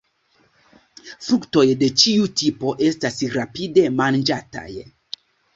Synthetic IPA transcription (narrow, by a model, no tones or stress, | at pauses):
fɾukto̞jde̞t͡ʃiutipo̞ʔe̞stasɾapide̞mand͡ʒata̰j